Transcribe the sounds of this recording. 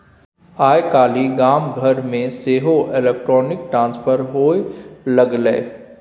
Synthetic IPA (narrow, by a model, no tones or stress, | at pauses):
aːjkaːliɡaːmɡʱəɾmẽseːɦoʔelek̚ʈɾɔːnɪk̚ʈɾãːnspʰəɾɦoːelɐɡlɛ̰ː